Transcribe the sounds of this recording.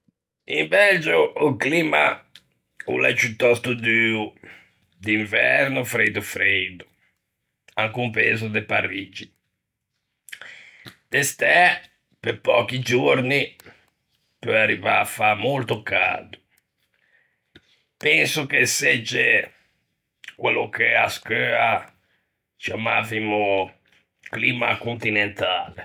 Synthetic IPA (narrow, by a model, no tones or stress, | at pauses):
ḭmbɛld͡ʒoʔːkliːma̰ | ṵlɛ̰t͡ʃut̪ːɔst̪ud̪yu | d̪iɱvɛɾnʊfɾejd̪ufɾejd̪u | aŋkumpḛːzʊd̪epa̰rid͡ʒi | d̪ɛst̪ɛ | pepɔk̟id͡ʒuɾni | pøarːivaːfamolt̪oka̰ːd̪u | pɛnsʊk̟esed͡ʒːe | kwelːʊkeaskøːa | t͡ʃiamavimʊ | kliːmakunt̪inent̪aːle